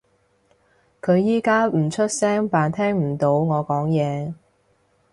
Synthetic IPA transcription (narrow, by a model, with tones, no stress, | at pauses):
kʰɵ˨˧ɥjiː˥kaː˥m̩˨˩t͡ʃʰɵ˥t̚sɛː˥ŋpaː˨nt̪ʰɛː˥ŋm̩˨˩t̪o˨˥wŋɔː˨˧kɔː˨˥ŋjɛː˨˧